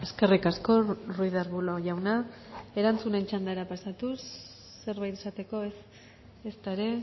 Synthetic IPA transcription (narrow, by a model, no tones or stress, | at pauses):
eske̞rikasko̞rujðaɾβuloʝawnae̞ɾant͡sune̞nt͡ʃand̪aɾapasat̪usː | e̞ɾβajt̪esat̪e̞ko̞es | est̪aeɾe̞